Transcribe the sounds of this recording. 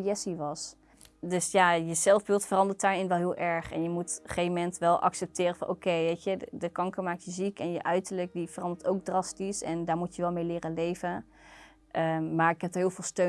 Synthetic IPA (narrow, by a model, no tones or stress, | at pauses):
jɛsiʋɑs | døsjajəzɛlˠvbɪlˠtfərɑndəɹt̚daːɹɪnʋɛlˠɦɪːlˠʔɛɹχɛ̰njəmutχejmɛntʋɛlˠʔɑ̰ksɛp̚tɪːrəfɑnʔo̰wkejʋejtjədəkɑŋkəɹmaːk̚tjəzikɛnjəʔœɥtəɹlək̚divərɑndəɹtowɡ̚drɑstisɛndaːɹmutjəʋɛlˠmejlɪːrənlejvən | ʔəmaːɹɪkɦɛp̚dəɹɦɪːlˠvɪːlˠstø